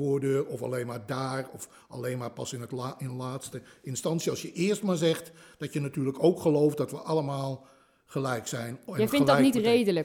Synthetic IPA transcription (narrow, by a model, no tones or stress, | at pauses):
oːdøːrɔfa̰lejnmaːɹdaːrɔf | ɑleːnmaːpɑsɪnətɪnlaːtstəɪnstɑnsjəɑlˠsjəʔɪəɹstmaːɹzɛxtd̥ɔtjənatyːrləkowkχəlowfdɔtʋəʔɑləmaːlˠ | χəlɛjksɛjnjnɪnədnitrejdələ